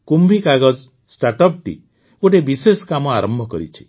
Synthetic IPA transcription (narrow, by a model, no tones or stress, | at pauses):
kumbʱikaɡɔd͡ʒ | sʈaɾʈɔp̚ʈḭ | oʈ̬ebiseskamɔaɾɔmbʱɔkɔɾḭt͡ʃʰi̥